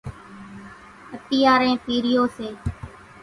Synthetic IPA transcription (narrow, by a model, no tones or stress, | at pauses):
ət̪iːaːɾẽːpiːɾɪjoːseː